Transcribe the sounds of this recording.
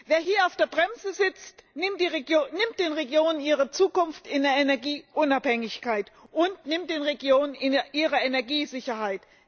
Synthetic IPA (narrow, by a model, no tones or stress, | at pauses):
veːɐɦiːɐaʊfd̥eːɐbʁɛmzəzɪt͡stnɪmd̥iːʁɡonɪmtd̥eːnʁeɡjoːnəniːʁət͡suːkʊnftɪndeːɐenɛɐɡiːʔʊnaphɛŋɪçkaɪtʔʊntnɪmt̚d̥eːnʁeɡjoːnənɪʔiːʁəenɛɐɡiːzɪçɐhaɪt